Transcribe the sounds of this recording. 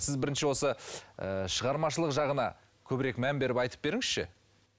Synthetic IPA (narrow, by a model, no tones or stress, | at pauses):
sɪzbɪɾɪnʃɪwo̞səəʃəʁɑɾmɑʃəlˠəqʒɑʁənɑ̰ | kʲʰɵbɪɾe̞kmænbe̞ɾɪpɑjt̪ə̥p̚be̞ɾɪŋɪz̥ʃɪ̰